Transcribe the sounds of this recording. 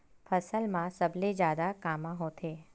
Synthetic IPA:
fʰəsəlmãsəbled͡ʒjaːd̪akamãɦot̪ʰe

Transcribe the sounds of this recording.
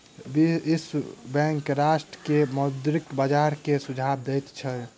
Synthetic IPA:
biisbɛ̃ŋkɾaʃʈɾəkemod̪ɾikbəd͡ʒaɾkesud͡ʒʱab̚d̪əjt̪t͡ʃʰəl

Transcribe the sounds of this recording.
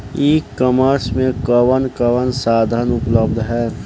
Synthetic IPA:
iːkːəməɾsmẽkəʋənkəʋənsaːd̪ʱənʊpləb̚d̪ʱɦɛː

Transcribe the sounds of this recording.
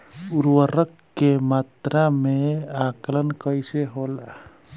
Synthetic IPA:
uɾwəɾəkːemat̪ɾameaklənkəjseɦola

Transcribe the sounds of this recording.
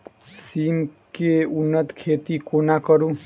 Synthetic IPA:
siːmkeunːət̪kʰet̪ikonakəɾũ

